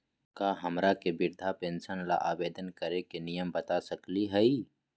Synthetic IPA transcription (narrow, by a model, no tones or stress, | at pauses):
kaːɦɐmɾakebɪɾd̪ʱapẽnsənla̰ʔaːʋeːd̪ənkəɾekenijəmbət̪asəkliɦɛi